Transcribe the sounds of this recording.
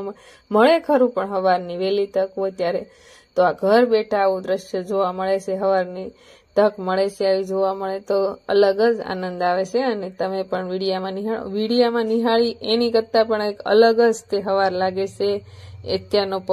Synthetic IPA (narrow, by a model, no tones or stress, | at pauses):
məɭekʰəɾũpəɳɦəʋaɾniʋelit̪əkot̪jaɾe | t̪oaɡʱəɾbeʈʰaːʋũd̪ɾəʃjəd͡ʒoʋaməɭet͡ʃʰeɦəʋaɾni | t̪əkməɭet͡ʃʰeaʋid͡ʒoʋaməɭet̪oə̰ləɡəd͡ʒa̰nənd̪aʋet͡ʃʰeənet̪əmepəɳʋiɽijamãniɦaɭ̰ʋiɽijamãniɦaɭiʔenikət̪ːapəɳekə̰ləɡəd͡ʒt̪eɦəʋaɾlaɡet͡ʃeḛt̪jaɾnop